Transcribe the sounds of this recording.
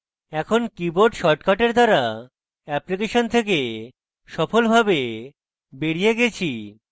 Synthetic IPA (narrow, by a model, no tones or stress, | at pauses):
ɛkʰonkiboɾɖʃɔɾʈkaʈeɾd̪aɾa | ɛplik̬eʃont̪ʰek̬e | ʃɔfolbʱabe | beɾijeɡet͡ɕʰi